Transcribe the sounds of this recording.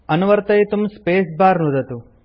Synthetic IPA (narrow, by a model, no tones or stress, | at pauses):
ɐnuʋɐɾt̪ɐjt̪umspeːsbaːɾnud̪ɐt̪u